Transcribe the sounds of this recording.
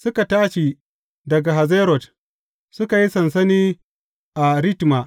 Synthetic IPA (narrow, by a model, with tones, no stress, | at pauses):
sʊ˦ka˨taː˦ʃi˨ | dɐ˨ɡa˨ɦa˨zeː˦ɾɔ˨t | sʊ˦ka˨ji˦sɐ˨ns̬ɐ˦niː˦ | ʔa˨ɾɪ˦tma˨ʔ